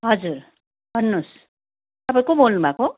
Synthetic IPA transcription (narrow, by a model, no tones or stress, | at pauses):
ɦʌd͡zur | bʱʌnːos | t̪ʌpaĩkobolnubako